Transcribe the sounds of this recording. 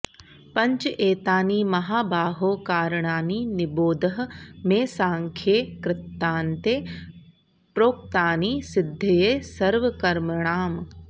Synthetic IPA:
pɐ̃ɲt͡ʃeːt̪aːniːmɐɦaːbaːɦoːkaːɾɳaːniːnɪboːd̪əɦ̆mẽːsãːŋkʰjeːkɾɪt̪ːaːnt̪eː | pɾoːk̚t̪aːniːsɪd̪ʱːɐjeːsɐɾʋɐkɐɾməɳ̃aːm

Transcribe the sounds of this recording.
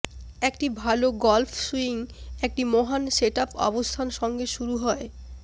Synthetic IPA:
ekʈibʱaloɡɔlfʰsuiŋek̚ʈimoɦanseʈapɔ̰bost̪ʰanʃɔŋɡeʃuɾuɦɔe

